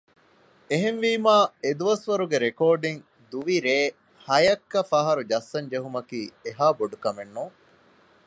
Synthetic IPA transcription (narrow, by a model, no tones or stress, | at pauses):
eɦenʋiːmaːed̪uʋɐsʋɐɾuɡeɾekoːɖiŋ | d̪uʋiɾeː | hɐjɐkːɐfɐɦɐɾud͡ʒɐsːɐɲd͡ʒeɦumɐkiːeɦaːboɖukɐmenːuːŋ